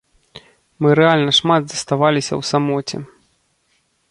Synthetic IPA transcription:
mɨɾɛalʲnɐʂmad̪zɐst̪avalʲisʲɐ̰wsamɔt͡sʲɛ̰

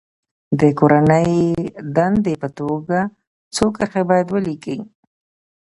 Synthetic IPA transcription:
d̪əkoɾanəjd̪and̪epət̪oɡa | t͡sokəɾxebɑjad̪wəlikəi

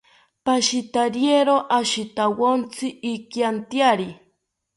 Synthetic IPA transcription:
paʃit̪aɾjeɾoʔaʃit̪awont͡sʰiːkjant̪jaɾi

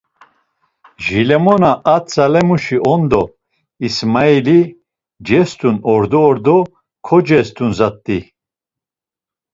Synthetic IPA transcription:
ʒilɛmɔnaʔat͡sʼalɛmuʃiʔɔnd̪ɔ | ismaili | d͡ʒɛst̪ʼunɔɾd̪ɔːɾd̪ɔ | kʰɔd͡ʒɛst̪ʼunzat̪ʼːi

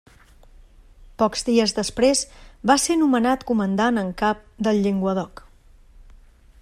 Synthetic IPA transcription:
pɔkzdiəzðəspɾezbasenumənat̪kumənd̪anəŋkap̚d̪əlˠʎeŋɡwəðɔk

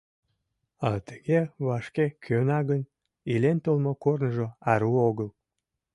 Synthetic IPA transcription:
ɑt̪əɣeβɑʃkekʰønɑɣən | ilent̪olmokornəʒoɑɾuoɣəl

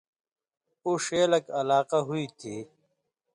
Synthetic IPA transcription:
uʂeːlɐkɐlaːqaɦuit̪ʰi

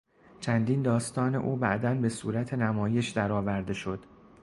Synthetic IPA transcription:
t͡ʃʰænd̪iːnd̪ɒːst̪ɒːne̞̰ʔuːbæ̰ʔd̪ænbe̞suːɾæt̪ʰe̞næmɒːje̞ʃd̪æɾɒːvæɾd̪e̞ʃo̞d̪̥

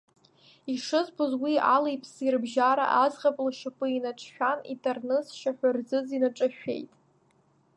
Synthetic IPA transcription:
iʂɨzbozwialejpʼʰsirbʒaɾa̰ʔazʁapʼlʃapʷʼɨinaʈ͡ʂʰʼʃᶣanḭtʼarnɨsʃaħʷᶣarzɨzinaʈ͡ʂʼaʃᶣe̞̰jtʼ

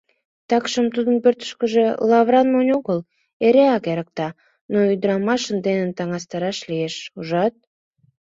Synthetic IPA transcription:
t̪ɑkʃəmt̪ud̪ənpørt̪ə̥ʃkəʒelɑβɾɑnmonʲoɣəl | eɾeɑkeɾək̚t̪ɑ | noyd̪əɾɑmɑʃənd̪enənt̪ɑŋɑst̪ɑɾɑʃlieʃuʒɑt̪̚

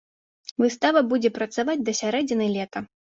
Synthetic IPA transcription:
vɨst̪avɐbud͡zʲɛpɾɐt̪savad͡zʲd̪ɐsʲaɾɛd͡zʲɛnɐjlʲɛt̪ɐ

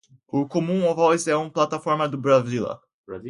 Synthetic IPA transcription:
ʊkomũovɔzɛũplat̪afɔɾmɐd̪ʊbɾazilɐ̰ | bz

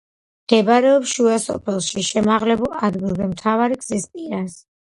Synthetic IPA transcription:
md̪̥ɛbaɾɛɔpʃuasɔ̰pʰɛlˠʃiʃɛmaʁlɛbulˠad̪ɡilˠbɛmt̪ʰavaɾiɡz̥ispʼiɾas

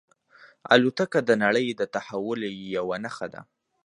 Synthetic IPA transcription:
a̰lut̪akad̪ənaɽəjd̪ət̪ahawʊljawanaxad̪a̰

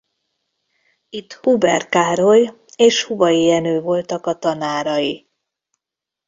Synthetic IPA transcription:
it̪hubɛrkaːɾo̞j | eːʃhuvɒjiɛnøːvo̞lt̪ɒkɒt̪ɒnaːɾɒji

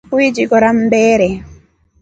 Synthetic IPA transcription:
wid͡ʒikɔɾambɛːɾɛ

